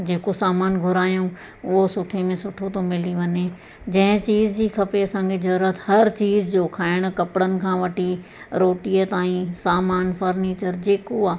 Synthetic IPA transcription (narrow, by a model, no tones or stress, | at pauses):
d͡ʑeːkosaːmaːnɡʱʊɾaːjũ | ʊɦosʊʈʰemẽsʊʈʰot̪ʰomɪliʋɐɲe | d͡ʑɐ̃ɦɪ̃t͡ɕiːzd͡ʑiːkʰɐpeɐsãkʰed͡ʑɐɾɾət̪hɐɾt͡ɕiːzd͡ʑoːkʰaːɪɽ̃̆kɐpɪɽənɪ̆kʰãːʋɐʈʰi | ɾoːʈiət̪aːĩsaːmaːnfɐɾneːt͡ɕəɾd͡ʑeːkoaː